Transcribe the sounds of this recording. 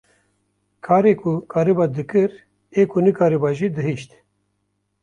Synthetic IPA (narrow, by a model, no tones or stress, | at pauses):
kʰaːɾekʰukʰaːɾɨbaːd̪ɨkɨɾ | eːkʰunɨkaːɾɨbɑʒid̪ɨɦiʃt̪